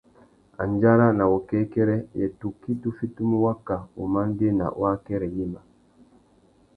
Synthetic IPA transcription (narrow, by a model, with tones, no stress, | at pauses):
a̰˨nd͡ʒa˦ɾa˦na˨wɔ˨kɛ˦kɛ˦ɾɛ˦jɛ˨tu˨kːi˦tu˦fi˦tu˦mu˦wa˦kːa˨ṵ˨ma˦n˦de˦na̰˨wa˦kɛ˦ɾɛ˨ji˦ma˨